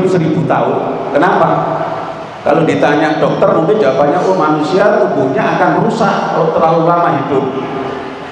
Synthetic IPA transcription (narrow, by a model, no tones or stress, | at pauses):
səɾib̥ut̪a̰ʊn | kənapa | ka̰lodit̪aɲaʔɖ̥ɔk̚t̪ərmuŋkɪ̥d͡ʒapaɲaʊmanusiaubuɲaːkanməɾusaʔkalot̪əralulamaɦid̥ʊp̚